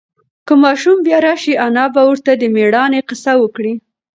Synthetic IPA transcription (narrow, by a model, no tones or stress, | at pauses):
kəmɑʃumbjɑɾɑʃianɑbawəɾt̪ad̪əmeɽɑneqɪsawəkɽi